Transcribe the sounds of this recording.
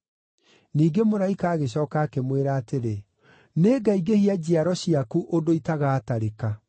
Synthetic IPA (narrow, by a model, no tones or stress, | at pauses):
niːɡemoɾaikaːɣeɕɔːkaːkemweɾaːteɾe | neːɡaiɡehiad͡ʑiaɾɔɕiakuʔodoitaɣaːtaɾeka